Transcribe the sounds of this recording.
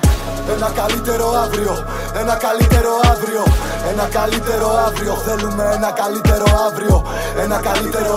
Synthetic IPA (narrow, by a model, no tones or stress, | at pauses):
enakalit̪eɾoavɾjo | enakalit̪eɾoavɾjo | enakalit̪eɾoavɾjoðelumenakalit̪eɾoavɾjo | enakalit̪eɾ